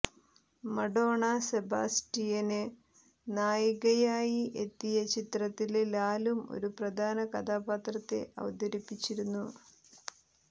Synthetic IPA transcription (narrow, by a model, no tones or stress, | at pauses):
mɐɖo̞ːɳɐseba̰ːsʈijɐne | naːjɐɣɐjaːjiʔe̞t̪ːijɐt͡ɕit̪rɐt̪ːillaːlumo̰ɾuprɐd̪ʱaːnɐkɐd̪aːbaːt̪rɐt̪ːe̞̰ʔɐ̰ʋɐd̪ɐɾipːit͡ɕːiɾunːu